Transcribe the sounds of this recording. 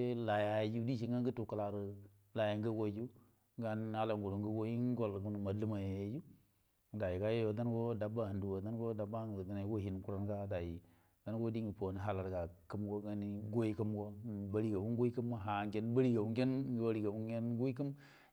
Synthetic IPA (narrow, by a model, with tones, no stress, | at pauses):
la˨ja˨jd͡ʒu˦di˦ʃ̬i˦˨ŋɡa˦nɡə˦tu˨ka˨la˨ɾə˨ | la˨ja˨ŋ˦ɡə˦ɡo˦d͡ʒu˦ | ɡa˦n˦a˦la˨ŋɡu˨lu˨ŋɡə˦ɡo˦i˦n˦ɡo˨lɡu˦n˨ma˨˦li˦ma˨ja˨je˨˦d͡ʒu˦˨ | da˨ji˨ka˦je˦jo˨da˦n˦ɡo˦da˨ba˦ha˨ndu˨wo˨da˦n˦ɡo˦da˨ba˦ŋ˨da˨na˨˦wo˦hi˨n˨ku˦ɾa˨nɡa˦da˨ji˨ | ɡa˦n˦ɡo˦di˦ŋə˨po˨ni˨ɦa˨la˨ɾɡa˨kə˦mɡo˦ɡa˨ni˦ɡo˦i˦kə˦mɡo˦˨ba˦ɾi˦ɡa˨wu˦nɡu˦i˦kə˦ma˦ɦa˨ŋɡe˦nba˦ɾi˦ɡa˨wu˦ŋ˦ɡe˦nɡwa˦ɾi˨ɡa˨wu˦ɡe˦n˦ɡu˦i˦kə˦m